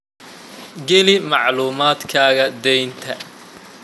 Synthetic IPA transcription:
ɡɛlɪmɑʕluːmaːd̪kʰaːɣɐd̪ɛjnt̪ʰɐ

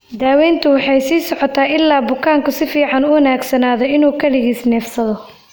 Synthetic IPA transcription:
d̪aːwɛːnt̪ʰʊwɑħɑjsiːsɔʕɔt̪ʰaːɪlːaːbʊkʰaːŋkʰʊsɪfiːʕɑnʊwɐnaːɡsɐnaːðɔɪnuːkʰɐlɪɣiːsnɛːfsɐðɔ

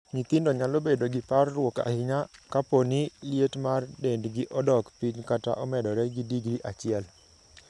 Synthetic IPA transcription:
ɲit̪ɪndɔɲalobedoɡɪparːwɔka̰hɪɲakaponɪljetmardendɡɪʔɔdɔkpiɲkata̰ʔɔmɛdɔɾɛɡɪdiɡɾiʔat͡ʃɪɛl

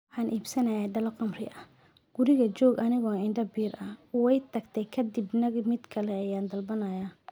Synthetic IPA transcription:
wʊħɑːnʔiːbsɐnɐjaːɖɐlɐqɑmrɪ̰ʔɐh | ɡ̥ʊɾɪɣɐt͡ʃɔːɡɐnɪɣɔːɪnɖɐbiːɾɐwɛjt̪ʰɐɡt̪ʰɛjkʰɐd̪ɪbnɐmɪd̪kʰɐlɛɐjaːnd̪ɐlbɐnɐjaː

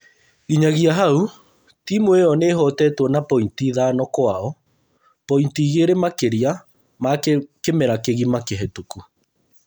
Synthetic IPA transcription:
ɣiɲaɣiaɦau | tiːmoeɔneɦɔtɛtwɔnapɔintiðanɔkwaɔ | pɔintiɣeɾemakeɾia | makemɛɾakeɣimakeɦɛtuku

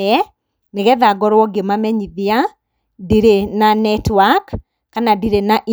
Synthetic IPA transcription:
ɛ | neɣɛðaɡɔɾwɔɡemamɛɲiðia | diɾenanɛtwakː | anadiɾenaʔi

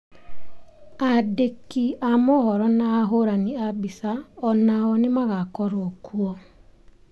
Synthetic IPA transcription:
adekiamohɔɾɔnaːɦoɾaniabisaɔnaɔnɪmaɣakɔɾokuɔ

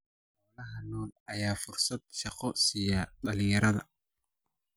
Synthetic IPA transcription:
ɔːlɐɦɐnɔːlʔɐjaːfʊrsɐd̪̚ʃɑqɔsijɐɗɐlɪjɐɾɐðɐ

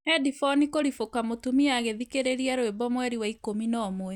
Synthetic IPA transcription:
ɛdifɔnikoɾifokamotumiaɣeðikeɾeɾiaɾoebɔmwɛɾiwaikominɔːmwɛ

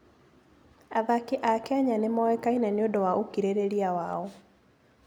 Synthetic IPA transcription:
aðakiʔakɛɲanemɔwɛkainaneondɔwaʔokiɾeɾeɾiawaɔ

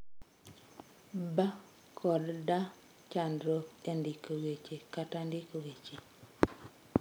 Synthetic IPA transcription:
ba | kʰɔdda | t͡ʃandɾoendɪkowet͡ʃekatandɪkowet͡ʃe

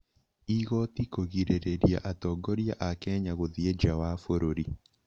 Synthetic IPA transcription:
iɣɔtikoɣiɾeɾeɾjaʔatɔɡɔɾjaʔakɛɲaɣoðied͡ʒawafoɾoɾi

